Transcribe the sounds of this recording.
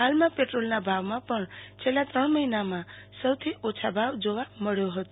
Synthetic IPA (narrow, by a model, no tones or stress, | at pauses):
ɦalmapeʈrolnabʱawmapʌɳt͡sʰelat̪ʌɳmʌinamasʌwt̪ʰiʔot͡sʰabʱawd͡zowamʌɽjoɦot̪